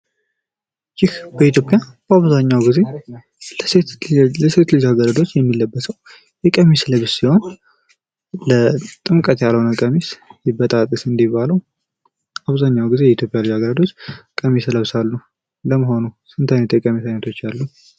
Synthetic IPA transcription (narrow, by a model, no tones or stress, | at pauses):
jɪhbəit̪jo̞pʼːjab̥əaβzaɲːawɡize̞ | ləset̪lɨd͡ʒaɡəɾəd̪o̞t͡ʃːjɛmːilːəbːəsəw | jɛkʼəmisləβsiho̞n | lət̪ʼɨmkʼət̪jaləwnəkʼəmisjɪbːət̪ʼat̪ʼːɨsɨnd̪ibːaləw | aβzaɲːawɡize̞jɛit̪ʰjo̞pʼjalɨd͡ʒaɡəɾəd̪o̞t͡ʃːkʼəmisləβsalːnəw | ləməɦo̞nusɨnt̪ʰajnət̪jɛkʼəmisajnət̪ʰo̞t͡ʃːjalːu